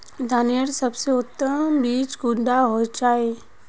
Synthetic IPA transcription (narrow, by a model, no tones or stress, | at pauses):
d̪ʱaːnəɾsɐbseʊt̪ːəmbiːt͡ʃɡʊ̃nɖ̪aɦod͡ʒaːe